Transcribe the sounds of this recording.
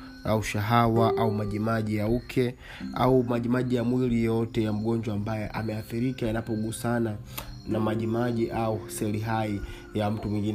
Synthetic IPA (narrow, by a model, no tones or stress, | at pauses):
auʃaɦawaʔaumaʄimaʄijaukʰɛ | a̰umaʄimaʄijamwilijɔtɛjam̩ɠɔnd͡ʒwaːmbajɛʔamɛaθiɾikajanapɔɡuːsana | namaʄimaʄiʔausɛliɦai | jam̩tumwiŋɡin